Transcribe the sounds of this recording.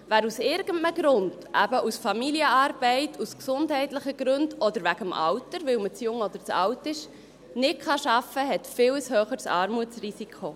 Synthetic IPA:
væːɾusɪɾɡ̥ən̩tnəɡɾʊnd̥ʔæbəʔusfɑmiliəɑːɾbɛɪtʰusksʊndɦɛɪtlɪχəɡ̥ɾɵndɔd̪əɾvæɡəmʔɑ̰wtəɾvɪwmət͡sjʊŋɔd̪əɾt͡sɑ̰wtɪʃ | nɪtχɑʃɑfəɦɛtfɪwshøːχəɾsɑːɾmuət͡srisikʰo

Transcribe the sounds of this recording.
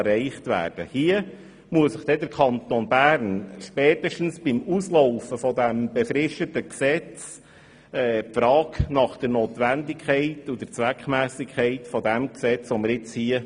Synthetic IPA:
rɛɪχtvæ̰ːɾd̥əhiə | muəsəχd̥ɛdəɾkʰɑnt̪onbæːɾnʃpɛːtəʃtn̩sb̥ɪmusloʊfəfɔdæmb̥ɛfɾɪʃtətəksɛt͡s | ɛːpfɾɑːknɑχd̥əɾnot̪ʋændɪkʰχɛɪtʊd̥əɾt͡sʋækχmæːsɪkʰɛɪtfɔdæmksɛt͡sɔməɾɪt͡shiə

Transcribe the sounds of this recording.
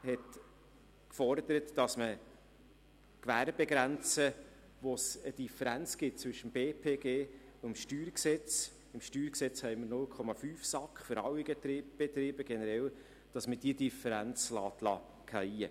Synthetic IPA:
hɛt | kfɔɾd̪əɾətd̥ɑsmə | kvæːɾb̥ɛɡɾænt͡sə | ʋosəd̥ifəɾænt͡sɡ̥ɪt̚t͡sʋvʏʃəmb̥eːpʰeːɡeːʊəmʃtyːɾksɛt͡s | ɪmʃtyːɾksɛt͡shɛɪməɾnʊlkʰɔmɑfyːfsɑkχfʏɾɑwiɡətɾb̥et̪ɾɪːbəɡ̥ɛnəɾɛl | d̥ɑsməd̥iədifəɾænt͡slɑːt̪lɑ̰ | kʰaiə

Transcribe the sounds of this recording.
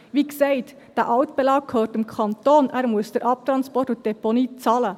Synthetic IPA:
ʋiːkseɪt̪ | d̥ɛʔɑʊt̪b̥ɛlɑːk̚kʰøːtɪmkʰɑnt̪oːnɛːɾmʊsd̥əɾʔɑp̚t̪ɾɑnspɔrtʊt̚d̥ɛponiːt͡sɑːlə

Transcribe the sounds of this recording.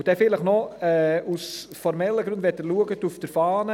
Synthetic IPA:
ud̥̪ɛfɪləχnɔɛːusfɔɾmɛlːəɡɾʉndʋɛtːəluəɡətufd̥əɾfɑːnə

